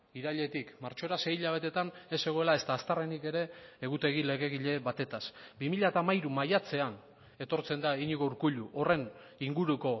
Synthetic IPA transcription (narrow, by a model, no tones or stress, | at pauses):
iɾaʎe̞t̪ikmaɾt͡ʃo̞ɾase̞jiʎaβ̞e̞t̪e̞t̪ane̞se̞ɣ̞o̞e̞lae̞st̪aːst̪arenike̞ɾe̞ːɣ̞ut̪e̞ɣ̞ile̞ɣe̞ɣiʎe̞βat̪e̞t̪asbimiʎaet̪amajɾumajat͡se̞an | e̞t̪o̞ɾt͡se̞nd̪aiɲiɣouɾkuʎuʔo̞re̞n | iŋɡuɾuko̞